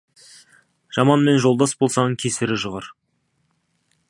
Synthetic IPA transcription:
ʒ̥ɑmɑnme̞nʒo̞lˠd̪ɑsbo̞lˠsɑnəɴkʲʰe̞sɪɾɪʒəʁɑɾ

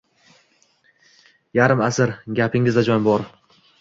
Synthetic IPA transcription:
jaɾɪmasɪɾɡʲapʰɪŋɪzd̪ad͡ʒɒnbɒɾ

